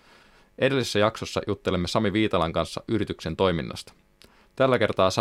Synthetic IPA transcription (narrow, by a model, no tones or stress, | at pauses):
ʔe̞delːisesːæjɑkso̞sːɑ̰jʔut̪ːe̞le̞mːesɑmiʋiːt̪ɑlɑŋkɑnsːɑ̰ʔyɾit̪ykse̞nt̪o̞jminːɑ̰st̪ɑ̥ | t̪ælːæke̞rt̪ɑːsɑ